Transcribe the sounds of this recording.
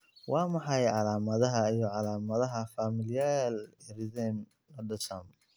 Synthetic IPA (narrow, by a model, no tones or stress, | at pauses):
wʔɑːmɑħɑjʕɑlaːmɐðɐɦɐijɔʕɑlaːmɐðɐɦɐfaːmɪljaːlrɪðɛm | lɐɖɐsɐm